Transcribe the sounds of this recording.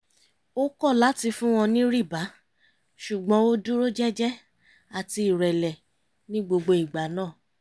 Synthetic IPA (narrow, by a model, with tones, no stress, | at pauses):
o˦kɔ˦˨la˨˦ti˧fũ˦w̃ɔ̃˧nĩ˦ɾi˦˨ba˨˦ | ʃu˨ɡ͡bɔ̃˨˦o˦dũ˦ɾo˦d͡ʒɛ˦d͡ʒɛ˦ | a˦˨ti˧i˨ɾɛ˨lɛ˨ | nĩ˦ɡ͡bo˧ɡ͡bo˧i˨ɡ͡ba˨˦nãː˦˨